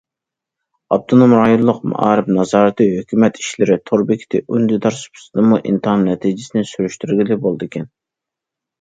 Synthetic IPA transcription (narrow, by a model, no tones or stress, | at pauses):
ɑp̚t̪ʰonomɾɑjonlˠʊqmṵʔɑ̰ːɾɪpnɑzɑːɾɨt̪ɨɦøkʲʰymɛt̪ʰi̥ʃlɪɾɪt̪ʰoɾbɪkʲʰi̥t̪ʰɪʔynd̪ɪd̪ɑɾsu̥pʰy̥sɨd̪ɨmuʔḭnt̪ɑmnɛt̪ʰid͡ʒɪsɪnɪsyɾyʃt̪yɾɡʲilɪbolˠd̪ɨkʲʰɛn